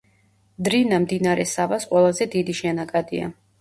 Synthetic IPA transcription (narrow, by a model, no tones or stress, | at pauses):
d̪ɾinamd̪inaɾɛsavasqʼwɛlˠazɛd̪id̪iʃɛnakʼad̪ia̰